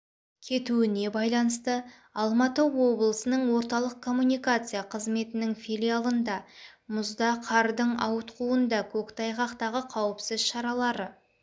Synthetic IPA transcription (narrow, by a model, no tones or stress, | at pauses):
kʲʰe̞t̪uɪne̞bɑjlˠɑnəst̪ə | ɑlˠmɑt̪əwo̞blˠəsənəɴwo̞ɾt̪ɑlˠəq̚kʰo̞mːunijkat̪sɨjaqʰəzme̞t̪ɪnɪŋfilʲijalˠənd̪ɑmʊzd̪ɑqʰɑɾd̪əɴɑwət̪quənd̪ɑkʲʰɵkt̪ʰɑjqɑqt̪ɑʁəqʰɑwəpsɪz̥ʃɑɾɑlˠɑɾə